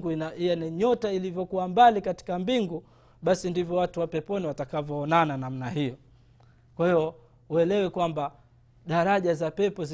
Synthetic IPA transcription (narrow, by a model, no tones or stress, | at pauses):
ɡuaiɛniɲɔtailivjɔkuwambalikati̥kambiŋɡu | ɓasindivjɔwatuwapɛpɔniwatakavjɔːnananam̩nahijɔ | kwahijɔ | uɛlɛwɛkwamba | ɗaɾaʄazapɛpɔz